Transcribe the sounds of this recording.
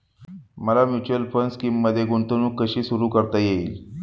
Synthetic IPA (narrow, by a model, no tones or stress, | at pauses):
məlamjut͡ɕəlfənskiːmːəd̪ʱːjeɡuɳt̪unuːkːəɕiːsuɾuːkəɾt̪ajeiːl